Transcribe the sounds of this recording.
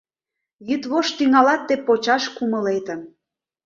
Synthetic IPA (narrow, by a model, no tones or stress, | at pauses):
jyt̪βoʃt̪yŋɑlɑt̪ːepot͡ɕɑʃkumə̆let̪ə̆